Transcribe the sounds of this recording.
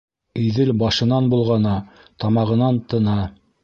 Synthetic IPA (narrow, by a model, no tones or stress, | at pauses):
iðɘlbɑʃɤ̆nɑnbulˠʁɑnɑ | t̪ɑmɑʁɤ̆nɑnt̪ɤ̆nɑ